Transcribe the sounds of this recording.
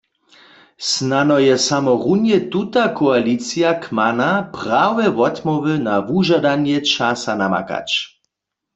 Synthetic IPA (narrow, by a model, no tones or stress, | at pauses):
snanɔjɛsamɔʁunjɛt̪ut̪akʰɔalit͡sijakʰmanapʁawɛʋɔt̪mɔʋənavuʒad̪anjɛt͡ʃasanama̰ka̰t͡ʃ